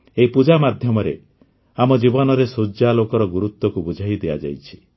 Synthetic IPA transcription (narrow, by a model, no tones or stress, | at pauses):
eɦipud͡ʒamad̪ʱjɔmɔɾe | amɔd͡ʒibɔnɔɾesud͡ʒalokɔɾɔɡuɾut̪wɔkubud͡ʒʱaid̪eja̰d͡ʒa̰jt͡ʃʰi̥